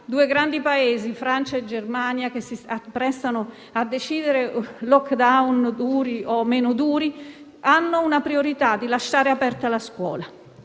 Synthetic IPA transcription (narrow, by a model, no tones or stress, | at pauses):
d̪uːeɡɾand̪ipaeːzifɾant͡ʃaed͡ʒermaːnjakesisapːɾɛst̪ano | ad̪ːet͡ʃiːd̪eɾelɔkd̪awnd̪uːɾiɔmeːnʊd̪uːɾi | anːʊunapɾioɾit̪ad̪ːilaʃːaːɾeapɛrt̪alaskwɔ̰ːla